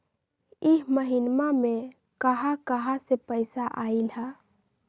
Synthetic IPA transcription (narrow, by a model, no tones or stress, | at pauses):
iɦməɦinmame | kəɦakəɦasepəjsaʔailɦa